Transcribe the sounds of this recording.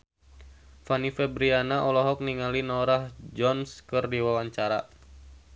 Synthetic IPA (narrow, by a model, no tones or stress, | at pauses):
fanifɛbɾianaʔɔlɔɦɔk̚niŋalinɔɾahd͡ʒɔnskɨrdiwawaɲt͡ʃaɾa